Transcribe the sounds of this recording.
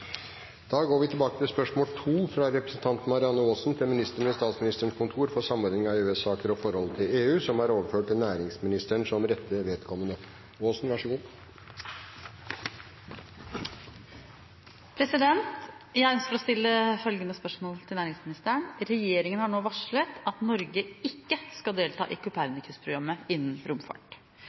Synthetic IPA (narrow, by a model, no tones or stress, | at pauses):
d̪̥ɑːɡoːɾʋɪt̪ʰɪlbɑːkət̪ʰɪlspœʂmoːlt̪ʰuːfɾɑɾɛpɾəsn̩t̪ʰɑnt̪n̩mɑɾɪɑnːəoːsnt̪ʰɛlmɪnɪst̪əɳ̩əst̪ɑːt̪smɪnɪst̪əɳkʊnt̪ʰuːɾfɔɾsɑmːɔːɾnɪŋɑʉːɛsɑːkəɾɔfɔɾhɔlːət̪ʰɪleːʉːsɔmhɑɾoːʋəɾføːʈ̚ʈ̪ɪlnæːɾɪŋsmɪnɪst̪əɳʂɔmɾɛt̪ːəʋeːd̪kʰɔmːənə | oːsnʋæʂəɡuː | pʰɾɛsɪd̪ɛnt̪jæɪœnskəfɔɾɔst̪ɪlːəfœlɡənəspœʂmoːlət̪ʰɪlnæːɾɪŋsmɪnɪst̪æːəɳɾɛjeːɾɪŋənhɑɳoːʋɑʂɭət̪ɑt̪nɔɾɡəɪkːəskɑd̪eːlt̪ʰɑ̰ːʔɪkʰʊpʰæɾnɪkʰʉspʰɾʊɡɾɑmːəɪnːn̩ɾʊmfɑ̰ʈ